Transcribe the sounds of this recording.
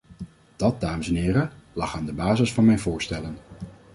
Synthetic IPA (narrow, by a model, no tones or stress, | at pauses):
d̥ɑt̚daːməsɛnɦɪːɾəlɑ̰χaːndəbaːzəsfɑnmɛjnvʊːɹstɛlən